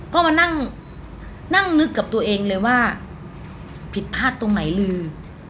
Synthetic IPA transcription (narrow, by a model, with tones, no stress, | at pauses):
kɔː˥˩maː˧na˥˩ŋ | na˥˩ŋnɯ˦˥kːa˨˩p̚t̪u˧ɐʔeː˧ŋlɤː˧jwaː˥˩ | pʰi˨˩t̪̚pʰaː˥˩t̪ːo˧ŋna˩˦jlɯː˧